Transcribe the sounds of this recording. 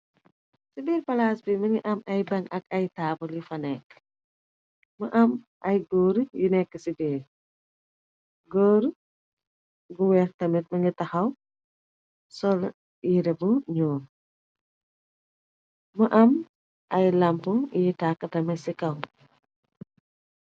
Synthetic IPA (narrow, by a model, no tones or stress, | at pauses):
sibiːɾpɐlaːsbimɐŋiʔɐmɐjbɐŋɐkɐjtaːbulifɐnɛk | məʔɐm | ʔɐjɡoːɾjinɛkːəsibeː | ɡoːɾ | ɡuwɛːktɐmɛt̚mɐŋitɐxɐw | sɔl | iɾɛbuɲɔːn | məʔɐm | ʔɐjlɐmpujitakːɐtɐmɛtsikɐw